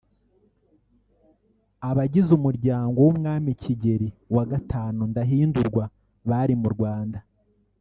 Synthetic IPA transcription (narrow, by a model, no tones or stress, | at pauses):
aβaɟizumuɾɟaːŋɡo̞wumŋaːmiciɟe̞ɾiwaɡataːnundaɦiːnduɾɡwa | βaɾimuɾɡwaːnda